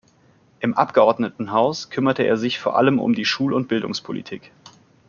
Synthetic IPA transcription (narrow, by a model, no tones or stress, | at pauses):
ʔɪmʔa̰p̚ɡ̥əɔɐdnətn̩ɦaʊskʰʏmɐtəeːɐzɪçfoːɐʔa̰ləmʊ̰mdiːʃuːlʊnt̚b̥ɪldʊ̰ŋspʰolḭtʰḭːk